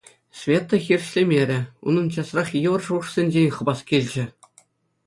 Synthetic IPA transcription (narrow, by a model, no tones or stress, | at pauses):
sʲvʲet̪ːŏxʲirʲɕlʲemʲeɾʲɘ̆ṵnɤ̆nt͡ɕɑsrɑχjɤʋɤ̆rʐuʂsʲenʲd͡ʑenʲχɤ̆bɑskʲelʲd͡ʑɘ̆